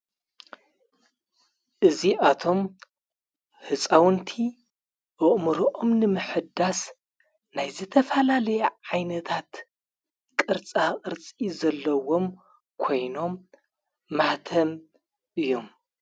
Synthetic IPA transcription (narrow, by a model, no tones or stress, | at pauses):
ʔɨziʔat̪ʰo̞m | hɨt͡sʼawnt̪ʰi | ʔɨʔʼmɨɾoʔomnɨmɨħɨd̪as | najzɨt̪ʰɐfɐlalɐjɛʕajnɐt̪ʰat̪ | kʼɨɾt͡sʼakʼɨɾt͡sʼizɐlːɐwo̞m | kʰo̞jno̞mː | aht̪ʰɐm | ʔɨjːom